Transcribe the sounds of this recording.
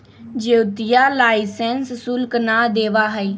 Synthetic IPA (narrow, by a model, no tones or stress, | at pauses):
d͡ʒeːʊt̪ɪjaːlaːisɛːnsːʊlknaːd̪eːʋaːɦəiː